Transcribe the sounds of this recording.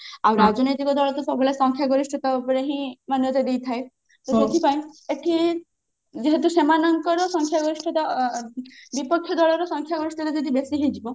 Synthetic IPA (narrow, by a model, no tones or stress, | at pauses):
awɾad͡ʒɔnojt̪ikɔd̪ɔɭɔt̪ɔfɔbɔlasɔŋkʰjaɡɔɾisʈʰɔt̪aopɔɾeɦĩmanjɔt̪ed̪ejt̪ʰaj | t̪ɔd̪ekʰipaj̃eʈʰi | d͡ʒeɦet̪̬usemanɔŋkɔɾɔsɔŋkʰjaɡɔɾisʈʰɔt̪a | bipɔkʰjɔd̪ɔɭɔɾɔsɔŋkʰjaɡɔɾisʈʰɔt̪ad͡ʒɔd̪ibesiɦed͡ʒibɔ